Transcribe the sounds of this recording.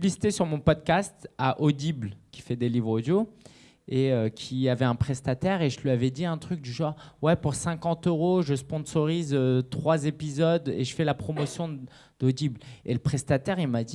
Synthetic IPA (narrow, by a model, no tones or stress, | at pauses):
list̪esyʁmɔ̃pɔd̪̚kʲast̪aʔod̪iblkʲi̥fɛd̪elivʁod̪jo | eøkʲʰiavɛɛ̃pχɛst̪at̪ɛʁeʒəlɥiavɛd̪iɛ̃t̪χyk̚d̪yʒɑ̃ʁwɛpuʁsɛ̃kɑ̃t̪øʁoʒəspɔ̃sɔʁizøt̪χwazepizɔd̪ḛʒəfɛlapχɔmɔsjɔ̃ | d̪̥od̪ibleləpχɛst̪at̪ɛʁilmad̪i